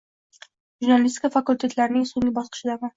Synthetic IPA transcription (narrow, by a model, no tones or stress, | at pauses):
ʒuɾnalʲist̪ʲɪ̥kʰafakulʲt̪ʰe̞t̪laɾɪnɪŋsoŋʲɪbɒsqʰɨ̥ʃɪd̪ama